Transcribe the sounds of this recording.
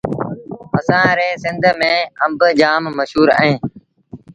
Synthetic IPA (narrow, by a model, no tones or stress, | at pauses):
əsãːɾeːsɪnd̪ʱmẽːəmbd͡ʒaːmːəʃɦuːɾa̰ːɦẽː